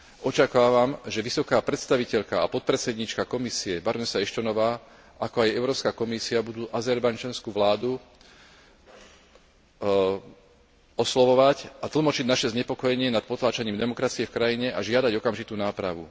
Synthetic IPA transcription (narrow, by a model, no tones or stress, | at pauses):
ʔɔt͡ʃakaːʋamʒɛʋisɔkaːpɾɛt̪st̪aʋicɛʎkaapɔt̪̚pɾɛt͡sɛd̪ɲiːt͡ʃkakɔmisiɛbaɾnɛsaɛʃt̪ɔnɔʋaː | ʔakɔajɛʊɾɔːpskaːkɔmisiabud̪uːʔazɛɾbajd͡ʒanskuːʋlaːd̪u | ɔslɔʋɔʋacat̪l̩ˠmɔt͡ʃiɟnaʃɛzɲɛpɔkɔjɛɲɪɛnat̪̚pɔt̪laːt͡ʃaɲiːmd̪ɛmɔkɾat͡siɛfkɾajiɲɛʔaʒɪad̪aɟɔkamʒit̪uːnaːpɾaʋṵ